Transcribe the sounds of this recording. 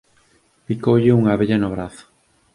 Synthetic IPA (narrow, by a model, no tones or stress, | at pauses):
pikowʎɪuŋaβeʎɐnoβ̞ɾaθʊ̥